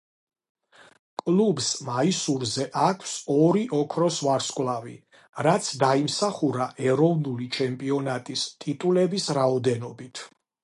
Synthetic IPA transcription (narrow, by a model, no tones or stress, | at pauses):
kʼlˠubsmaisuɾzɛʔakʰsɔɾiʔɔkʰɾɔsvaɾskʼwlˠavḭ | ɾat̪sʰd̪aimsaχuɾaʔɛɾɔvnulit͡ʃʰɛmpʼiɔnat̪ʼist̪ʼit̪ʼulɛbisɾaɔd̪ɛnɔbit̪ʰ